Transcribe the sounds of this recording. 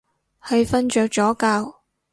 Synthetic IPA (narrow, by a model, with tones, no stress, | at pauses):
hɐ˧jfɐ˥nt͡ʃœː˨˧k̚t͡ʃɔː˨˥kaː˧w